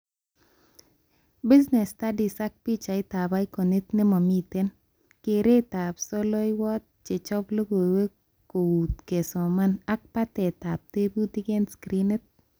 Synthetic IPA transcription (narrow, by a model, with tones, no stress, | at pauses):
bi˦znɛ˨sta˦di˨sa˦k̚pi˦t͡ʃa˨ɪ˦t̪a˨ba˦i˦ko˨ni˦t̪ne˦mɔ˨mi˦t̪e˦n | ke˨ɾe˦t̪a˨psɔ˦lo˦i˦wɔ˦t̪̚t͡ʃe˨t͡ʃɔ˦plo˦ɡo˨we˦ | ko˨u˨t̪ke˨so˨ma˦na˦k̚pa˦tɛ˨t̪a˨p̚te˦bu˦ti˦ke˦nskɾi˦ne˦t̪̚